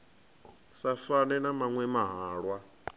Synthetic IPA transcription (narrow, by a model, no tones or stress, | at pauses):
safanɛnamaŋwɛmaɦaːɺwa